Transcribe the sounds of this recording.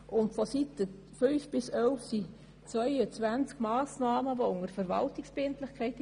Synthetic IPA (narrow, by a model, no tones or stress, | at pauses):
ʔʊntfositːə | fyʏfb̥ɪsœlfsi | t͡sʋœʏət͡sʋænt͡skmɑːsnɑːməvoʊŋəɾfəɾʋɑ̰ltɪksbɪntlɪχkʰɛɪt